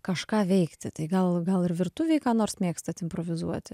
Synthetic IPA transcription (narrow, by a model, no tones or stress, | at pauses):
kɐʃkɑːʋʲɛɪkt̪ʲɪt̪ɐɪɡɐlˠɡɐlˠɪɾʋʲɪrt̪uʋʲɛɪkɑːnoːrsmʲeːkst̪ɐt̪ʲɪmpɾoʋʲɪzuɔt̪ʲɪ